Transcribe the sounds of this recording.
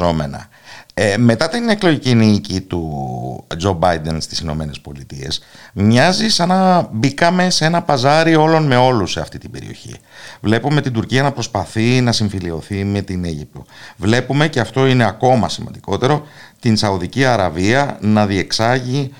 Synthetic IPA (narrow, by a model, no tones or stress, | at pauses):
o̞me̞̰nɐ̰ | me̞t̪ɐt̪ine̞klo̞ʝicinicit̪u | d͡ʒo̞bɐjd̪e̞nst̪i̥sino̞̰me̞ne̞spo̞lit̪ie̞̰smɲɐzisɐnɐbikɐme̞seenɐpɐzɐɾio̞lo̞nme̞o̞luse̞ɐft̪i̥t̪ibe̞̰ɾḭo̞̰çḭvle̞pume̞t̪ind̪uɾciɐnɐpɾo̞spɐθinɐsiɱfilio̞θime̞t̪ine̞ʝip̚t̪o̞̰vle̞pume̞ce̞ɐft̪o̞ine̞ɐko̞mɐsimɐ̰nd̪iko̞t̪e̞ɾo̞ | t̪insɐuðiciɐɾɐviɐnɐðie̞ksɐʝi